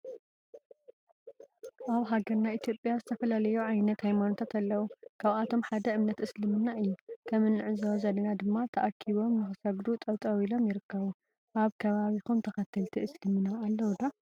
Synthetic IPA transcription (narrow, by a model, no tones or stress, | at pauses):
ʔaβɦaɡɐɾnaʔit̪ʰjo̞pʼjazɨt̪ʰɐfɐlalɐjuʕajnɐt̪hajmanot̪ʰat̪alːɐwukʰaβat̪ʰo̞mħad̪ɐɨmnɐt̪ʔɨslɨmɨnaʔɨjːukʰɐmɨnːɨʕɨzawzɐd̪ɐnad̪ɨmːat̪ʰɐʔakʰːiβo̞mnɨxɨsɐɡd̪ut̪ʼɐβt̪ʼɐwilo̞mjɪɾɨkʰːɐβu | ʔaβkʰɐβaβixumt̪ʰɐxɐt̪ʰːɨlt̪ʰiʔɨslɨmɨnaːlːɐwd̪a